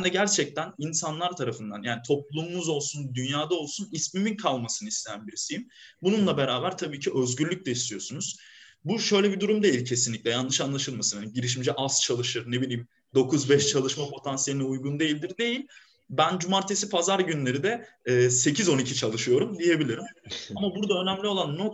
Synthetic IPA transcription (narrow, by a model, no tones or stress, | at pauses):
nd̪ɛɟæɾt͡ʃʰɛc̚t̪ʰæninsanlˠaɾt̪ʰaɾafɯnd̪a̰njaːnit̪ʰo̞p̚lˠumumuzo̞lˠsund̪ynjaːd̪ao̞lˠsunismyminkʰalˠmasɯnɯist̪ejænbiɾisijim | bununlˠabe̞ɾaːbæɾt̪ʰabiːcʰiʔø̞zɟyɾlʲyc̚ʲlʲɛist̪ʰijo̞sunuz̥ | buʃø̞jlʲebid̪uɾumd̪e̞jilʲcʰe̞sinlʲiclʲɛjanɯʃanlˠaʃɯlˠmasɯnhaniɟiɾiʃ̬mid͡ʒɛʔast͡ʃʰalˠɯʃɯɾne̞bilʲiːm | d̪o̞kʰuzbɛʃt͡ʃʰalˠɯʃmapʰo̞t̪ʰansje̞lʲinɛujɡund̪ejilʲd̪iɾd̪e̞jilʲ | bænd͡ʒumaɾt̪ʰe̞sipʰazaɾɟynlʲe̞ɾid̪ɛ | ɛːse̞cʰizo̞nicʰit͡ʃʰalˠɯʃɯjo̞ɾumd̪ije̞bilʲiɾimamabuɾd̪aø̞næmlʲio̞lˠanːot̪